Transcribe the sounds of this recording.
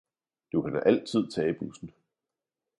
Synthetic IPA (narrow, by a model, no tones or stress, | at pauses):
d̥ukʰæd̥æʔæl̰t͡sʰið̞̰ˠt͡sʰɛːb̥usn̩